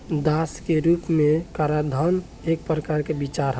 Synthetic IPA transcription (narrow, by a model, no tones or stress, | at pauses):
d̪askeɾupmẽkaɾad̪ʱən | ek̚pɾəkaɾkebit͡ʃaɾɦə